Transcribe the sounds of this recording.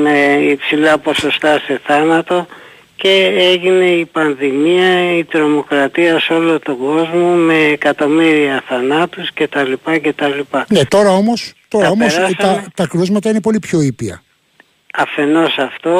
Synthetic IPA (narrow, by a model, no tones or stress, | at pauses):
me̞ipsilɐpo̞so̞st̪ɐse̞θɐnɐt̪o̞ | ce̞eʝine̞ipɐnðimiɐit̪ɾo̞mo̞kɾɐt̪iɐso̞lo̞t̪o̞ɡo̞zmo̞me̞ːkɐt̪o̞miɾiɐθɐnɐt̪usce̞t̪ɐlipɐce̞t̪ɐlipɐne̞t̪o̞ɾɐo̞mo̞st̪o̞ɾɐomossɐt̪ɐkɾuzmɐt̪ɐine̞po̞lipço̞ipiɐ̰ | ɐfe̞no̞sɐft̪o̞